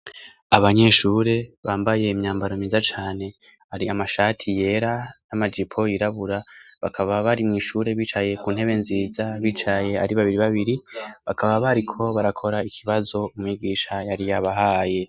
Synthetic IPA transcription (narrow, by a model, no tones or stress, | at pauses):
aβaɲe̞ʃuːɾe̞βaːmbaje̞imɲaːmbaɾomiːzat͡ʃaːne̞ | haɾiamaʃatʰije̞ɾanamad͡ʒipʰo̞jiɾaβuɾaβakʰaβaβaɾimŋiːʃuːɾe̞βiːt͡ʃaje̞kuːn̥e̞βe̞nziːzaβiːt͡ʃaje̞aɾiβaβiɾiβaβiɾiβakʰaβaβaɾikʰo̞βaɾakʰo̞ɾaikʰiβazo̞umŋiːɡiʃajaɾijaβaɦaːje̞